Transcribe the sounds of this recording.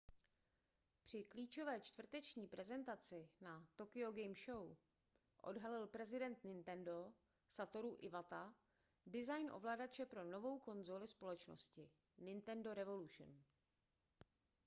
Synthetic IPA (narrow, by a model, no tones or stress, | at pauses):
pr̝̥ɪkliːt͡ʃo̞vɛːt͡ʃt̪vr̩t̪ɛt͡ʃɲiːpɾʔɛzɛnt̪at͡sɪnat̪o̞kɪo̞ɡɛjmʃo̞w | ʔo̞̰dɦalɪlpɾɛzɪdɛnt̪nɪnt̪ɛndo̞ | sat̪o̞ɾuʔɪvat̪a | dɪzajnʔo̞̰vlaːdat͡ʃɛpɾo̞no̞vo̞wko̞nzolɪspo̞lɛt͡ʃno̞̰scɪ | nɪnt̪ɛndo̞ɾɛvo̞luʃn